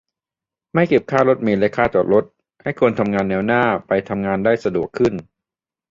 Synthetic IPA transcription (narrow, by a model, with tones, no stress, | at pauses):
ma˥˩jke˨˩p̚kʰaː˥˩lo˦˥t̪̚miː˧lɛ˦˥kʰːaː˥˩t͡ɕ̪ɔː˨˩t̪̚lo˦˥t̪̚ | ha˥˩jkʰu˧ənt̪ʰa˧mŋaː˧nːɛː˧wnaː˥˩pa˧jt̪ʰa˧mŋaː˧ndaː˥˩jsa˧du˨˩əkʰːɯ˥˩n